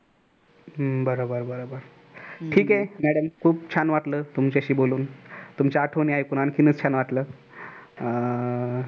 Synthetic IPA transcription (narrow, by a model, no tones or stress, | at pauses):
bəɾobəɾbəɾobəɾ | ʈʰiːkemæɽəmkʰuːbt͡ɕʰanʋaʈləːt̪umt͡ɕeəɕiːboluːnt̪umt͡ɕaaʈʰoniajkuɽ̃ankinət͡st͡ɕʰanʋaʈləː